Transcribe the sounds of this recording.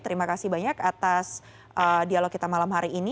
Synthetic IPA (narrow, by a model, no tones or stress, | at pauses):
t̪əɾimakasibaɲakat̪as | ʔədialokːit̪amalamɦaɾiːni